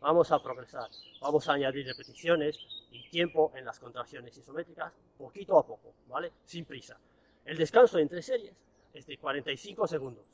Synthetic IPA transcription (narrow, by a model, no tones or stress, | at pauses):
bamosapɾo̞ɣɾe̞saɾbamo̞saːɲaðiɾrepe̞t̪iθjo̞ne̞sit̪je̞mpo̞ʔe̞nlasko̞nt̪ɾakθjo̞ne̞siso̞met̪ɾikas | pokit̪oapo̞kobale̞simpɾisa | e̞ld̪e̞skansoe̞nt̪ɾese̞ɾje̞s | e̞zðekwaɾe̞nt̪ajθiŋko̞se̞ɣ̞ũnd̪os